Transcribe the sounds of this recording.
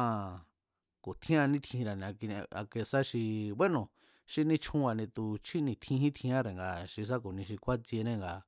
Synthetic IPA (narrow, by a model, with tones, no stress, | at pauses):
ã˧ | ko˨t̪ʰĩ˦ã˧nĩ˦t̪ʰĩ˧ɾa˨nĩ˧a˧ki˧ñ˧a̰˧ke˧sa˦ʃi˧βe˦nõ˨ | ʃi˦nĩ˦t͡ʃʰũ˦a˧nĩ˧t̪u˧t͡ʃʰi˦nĩ˧t̪ʰĩ˧ɦĩ˦t̪ʰĩ˧ã˦ɾe˨ŋɡa˧ʃi˧s̬a˦ko˨nĩ˧ʃ̬i˧kʷa˦t͡se˧nẽ˦˨ŋɡa˧